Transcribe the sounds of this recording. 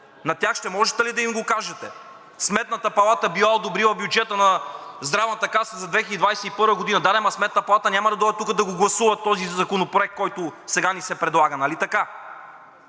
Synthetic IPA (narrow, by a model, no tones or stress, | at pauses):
nɐt̪ʲjaxʃt̪ɛmɔʒɛt̪ɛlid̪ɐimɡokaʒɛt̪ɛ | smɛt̪nɐt̪ɐpɐlˠat̪əbilˠaod̪obɾilˠɐbjud͡ʒɛt̪ənɐzd̪ɾavnət̪ɐkasəzɐd̪vɛxiəd̪id̪vajsɛipɤɾvəɡod̪inɐd̪ad̪ɛmɐsmɛt̪nɐpɐlˠat̪ənʲamɐd̪ɐd̪ɔd̪ɛt̪ukəd̪ɐɡoɡlˠɐsuvɐt̪ɔzizɐkonopɾoɛk̚t̪̚kːɔjt̪ʊsɛɡanisɛpɾɛd̪lˠaɡənɐlit̪ɐka